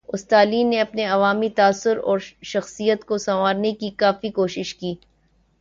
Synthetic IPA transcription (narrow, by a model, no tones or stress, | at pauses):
ʊst̪aːliːneɐpneɐʋaːmit̪aːsːʊɾɔ̰ːɾʃɐxsijət̪kosɐmaːɾnekikaːfikoːʃɪʃkiː